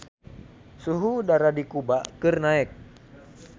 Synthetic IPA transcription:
suɦudaɾadikubakɨrnaɛk̚

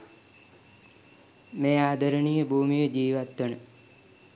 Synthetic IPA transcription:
meːaːd̪ʱəɾənijəbuːmijəd͡ʒiːʋat̪ʋənə

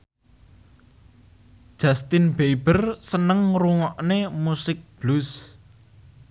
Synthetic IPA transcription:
d̥ʒ̥ast̪ɪnbeb̥ərsənəŋruŋɔʔnemusɪk̚b̥lus

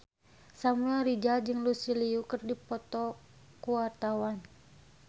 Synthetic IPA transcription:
samuaɾid͡ʒad͡ʒɨŋlusiliukɨrdipɔt̪ɔ | kuwart̪awan

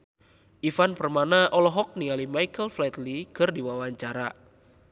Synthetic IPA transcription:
ʔifanpərmanaʔɔlɔɦɔk̚nialimajkəlflɛt̪likɨrdiwawaɲt͡ʃaɾa

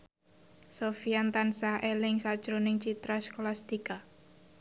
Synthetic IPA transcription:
sofijant̪ansaʔelɪŋsad̥ʒ̥ɾonɪŋt͡ʃit̪ɾaskolast̪ika

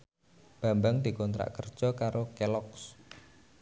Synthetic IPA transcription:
b̥a̤mbaŋd̪̥i̤kɔnt̪ɾa̰ʔkərd̥ʒ̥ɔ̤kaɾokelɔks

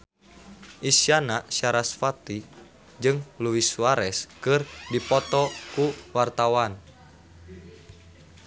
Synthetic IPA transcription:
ʔisianaʃaɾasfat̪i | d͡ʒɨŋluwisuwaɾɛskɨrdipɔt̪ɔkuwart̪awan

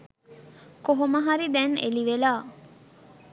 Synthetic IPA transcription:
koɦoməɦaɾid̪ɛnḛliʋelaː

